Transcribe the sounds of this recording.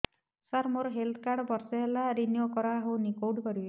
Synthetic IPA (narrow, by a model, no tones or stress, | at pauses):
saɾmoɾɔɦelt̪ʰkaɾɽbɔɾsɔɦelaɾinijokɔɾaɦownikowʈkɔɾie